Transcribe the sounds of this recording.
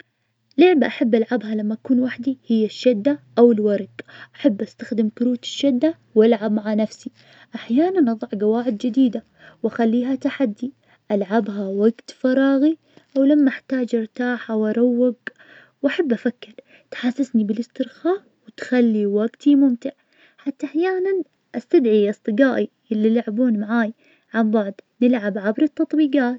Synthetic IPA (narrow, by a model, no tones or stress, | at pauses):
lʊʕbaʔaħabːʔalʕabɦalamːaʔakuːnwaħd̪ihɪjːaʃːad̪ːaʔawɪlwɑɾˤɡʔaħabːʔast̪axd̪ɪmkʊɾuːt̪ɪ̥ʃːad̪ːa | walʕab̚maʕanafsi | ʔaħjaːnanʔɑðˤɑʕɡawaːʕɪd̪d͡ʒɪd̪iːd̪a | wʔaxalːiːɦat̪aħad̪ːi | ʔalʕabɦawaɡt̪fɑɾˤɑːɣi | ʔawlamːaɪħt̪aːd͡ʒʔɪɾt̪aːħawʔɑɾˤawːɪɡ | wʔaħabːʔafakːɪɾ | t̪ħasːasnibɪlɪst̪ɪɾxaːʔ | wɪt̪xalːiwaɡt̪imʊmt̪ɪʕ | ħat̪ːaʔaħjaːnan | ʔast̪ad̪ʕiʔɑsˤt̪ˤɨɡaːʔiʔɪlːilaʕbuːnmaʕaːj | ʕambɑʕd̪ˤnɪlʕabʕabɾɨt̪ːɑt̪ˤbiːɡaːt̪